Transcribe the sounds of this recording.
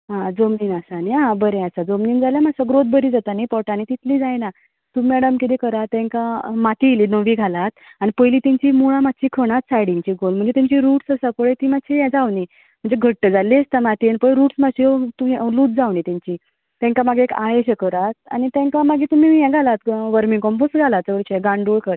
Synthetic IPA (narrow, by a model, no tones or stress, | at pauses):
ɦãd͡zomniːnasaniãbəɾẽasad͡zomniːnd͡zaljamasəɡɾot̪̚bəɾiːd͡zat̪anipɔʈanit̪it̪liːd͡zajna | t̪umɛɽəmkit̪ikəɾat̪ːɛ̃ŋkamat̪ʰiliːnəʋiːɡʱalat̪̚anipəjliːt̪ɛ̃ɲt͡ɕiːmuɭamad̪t͡ɕiːkʰəɽ̃at̪̚saɽiɲt͡ɕiːɡolm̤əɳd͡zet̪ãɲt͡ɕiːɾuʈsəsapəɭet̪iːmat̪ːɕʰijɛ̃d͡zawni | m̤əɳd͡zeɡʱəʈːəd͡zalːiəst̪amat̪ianipəɭɾuːʈsmaɕiot̪uiluːt̪̚d͡zawniːt̪ãɲt͡ɕi | t̪ɛ̃ŋkamaɡʱeeka̰jeɕəkəɾat̪̚a̰nit̪ɛ̃ŋkamaɡiːt̪um̤iːjɛ̃ɡʱalat̪ʋəɾmiŋkɔmposɡʱalat͡səʋəɭt͡ɕeɡãɳɖuɭkəɾ